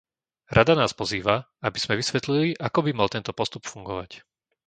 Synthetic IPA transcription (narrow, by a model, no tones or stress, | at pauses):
ɾʔad̪anaːspɔziːʋa | abiz̥mɛʋisʋɛt̪liliʔakɔbimalt̪ɛnt̪ɔpɔst̪upfuŋɡɔʋa̰c